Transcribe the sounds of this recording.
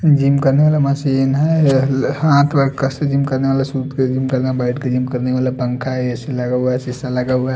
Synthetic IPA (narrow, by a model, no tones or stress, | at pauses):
d͡ʒimkəɾneʋaːleməsiːnɦɛ | hãt̪ʰbəɾkəsed͡ʒimkəɾneʋalesut̪ked͡ʒimkəɾnabaɪʈked͡ʒimkəɾneʋaːlapəŋkʰaeseləɡəbasisaləɡaba